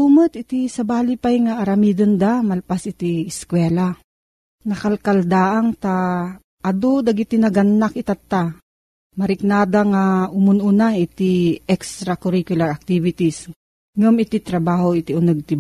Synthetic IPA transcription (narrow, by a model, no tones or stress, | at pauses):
umot̪ɪt̪isɐbaːlɪpajŋaʔːɾɐmid̪ond̪amɐlpasʔɪt̪iɪskwɛːla | nɐkalkald̪aːʔaŋt̪a | ʔːd̪od̪aɡɪt̪inɐɡɐnːakɪt̪at̪ːa | mɐɾɪk̚naːd̪aŋaʊmʊnʊnaʔɪt̪iʔɛkst̪ɾakʊɾikjʊlaɾak̚t̪ivɪt̪is | ŋʊmɪt̪it̪ɾɐbaːhoɪt̪iʊnɐɡ̚t̪ɪ